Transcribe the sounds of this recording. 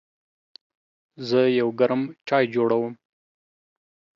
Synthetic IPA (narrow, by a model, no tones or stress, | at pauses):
zəjawɡaɾmt͡ʃɑjd͡ʒoɽawəm